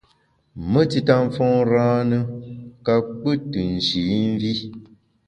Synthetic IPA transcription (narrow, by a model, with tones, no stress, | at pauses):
mə˦ti˦ta˦ɱ˦fɔ̃˦ŋɾãː˦nɨ˦ka˦k͡pə˦tɨ˨n̩˨ʃi˨˦n˦vi˦